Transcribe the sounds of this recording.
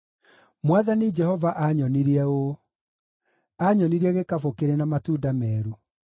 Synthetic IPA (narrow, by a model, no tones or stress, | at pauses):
mwaðanid͡ʒɛhɔvaʔaɲɔniɾiɛo | aɲɔniɾiɛɣekafokeɾenamatuːdamɛːɾu